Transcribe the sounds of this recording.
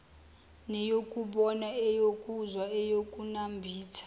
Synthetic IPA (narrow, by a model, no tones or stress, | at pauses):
nɛjokʼuɓɔnaɛjokʼuzwaɛjokʼunambʱiːtʰḁ